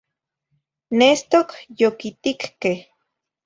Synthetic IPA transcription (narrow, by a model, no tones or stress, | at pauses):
nest̪okjokit̪ikkeh